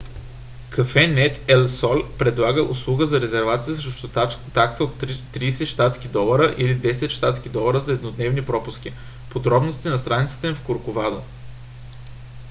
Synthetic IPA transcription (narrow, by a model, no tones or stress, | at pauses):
kɐfɛnɛt̪ɛlsɔlʲpɾɛd̪lˠaɡəʔʊslˠuɡəzɐɾɛzɛɾvat̪sijəsɾʃt̪aksəot̪t̪ːɾiːsɛʃt̪at̪skʲid̪ɔlˠəɾəʔilid̪ɛsɛt̪ʃt̪at̪sk̟id̪ɔlˠəɾəzɐɛd̪nod̪nɛvnipɾɔpʊsk̟i | pod̪ɾɔbnost̪inɐst̪ɾanit̪sə̥t̪ɛfkoɾkʊvad̪ə